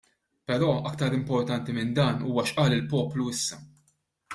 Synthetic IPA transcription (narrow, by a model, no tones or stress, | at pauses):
pɛɾɔːʔɐk̚t̪ɐɾɪmpɔɾt̪ɐnt̪imɪnd̪ɐːnṵːwɐʃʔɐːlɪlpɔːpluɪsːɐ